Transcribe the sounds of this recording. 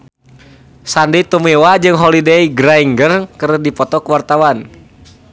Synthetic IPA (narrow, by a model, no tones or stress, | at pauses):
sandit̪umɛwad͡ʒɨŋɦɔlidɛiɡɾaiŋɡərkɨɾdipɔt̪ɔkwart̪awan